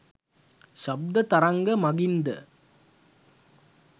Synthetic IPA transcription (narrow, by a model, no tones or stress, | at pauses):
ʃɐb̚d̪ɐt̪ɐɾɐŋɡɐmɐɡind̪ɐ̰